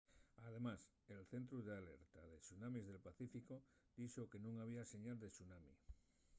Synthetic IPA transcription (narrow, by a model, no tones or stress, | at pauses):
aðe̞mas | e̞lθe̞nt̪ɾuðeale̞ɾt̪aðe̞sunãmizðe̞lpaθifikod̪̥isoke̞nũŋaβiase̞ɲald̪e̞sunamḭ